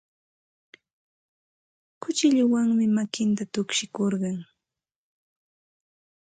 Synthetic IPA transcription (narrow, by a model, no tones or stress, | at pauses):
kʊt͡ʃɪʎʊwaŋmɪmakɪnt̪at̪ʊkʃɪkoɾɢɑŋ